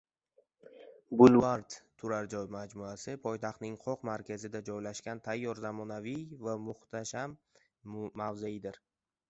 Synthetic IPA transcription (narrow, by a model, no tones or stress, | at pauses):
bʊlvaɾd̪ʰʊɾaɾd͡ʒɒjmad͡ʒmuasɪpʰɒjt̪ʰaχt̪nɪŋqʰɒqmaɾkʲʰazɪd̪ad͡ʒɒjlaʃkʲant̪ʰajːɒɾzamɒnavijvamʊht̪ʰaʃamː | avzaɪd̪ɪɾ